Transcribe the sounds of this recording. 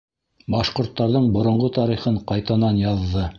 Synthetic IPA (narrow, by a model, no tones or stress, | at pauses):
bɑʃqŏɾt̪ːɑɾðɤɴbŏɾŏɴʁot̪ɑɾiχɤɴqɑjt̪ɑnɑnjɑðːɤ